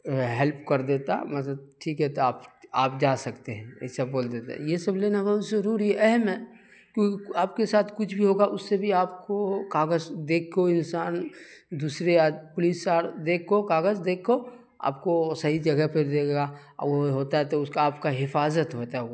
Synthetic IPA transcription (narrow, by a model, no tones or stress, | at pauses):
ɦɛlpkɐɾd̪eːt̪a̰mɐt̪̬ləb̚ʈʰiːkɦɛt̪oaːpaːp̚d͡ʒaːsɐkt̪eɦɛ̰̃sɐbboːld̪eːt̪a̰jesɐbleːnakazəɾuːɾiɦɛʔɛɦɛmɦɛ | kjõːkiaːp̚kesaːt̪ʰkʊt͡ʃʰbʱiɦoːɡaʔʊsːebʱiaːp̚kokaːɡəzd̪eːkʰːoɪnsaːnd̪uːsɾead͡ʒpʊlisaːɾd̪eːkʰːokaːɡəzd̪eːkʰːo | a̰ːpkosɐɦid͡ʒɐɡɛpeɾd̪eːɡa | ɔ̰oɦoːt̪aɦɛt̪oʊskaaːpkaɦɪfaːzət̪ɦot̪aɦɛ